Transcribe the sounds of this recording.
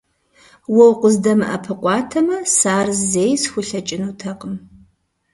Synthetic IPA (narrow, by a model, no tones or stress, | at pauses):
wɔwqʷʊzdɐmɨʔɐpʰɨqʷʼɑːtʰɐmɐsaːrzzeːjsxʷʊɬɐt͡ʃʼɪnutʰɐqʼəm